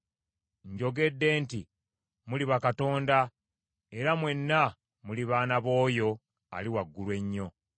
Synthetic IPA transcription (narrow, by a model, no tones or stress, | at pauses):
ɲɟo̞ɡe̞dːe̞ːnti | muliβakato̞ːnda | e̞ɾamwe̞nːa | muliβaːnaβo̞ːjo̞ | a̰liwaɡːulwe̞ɲːo̞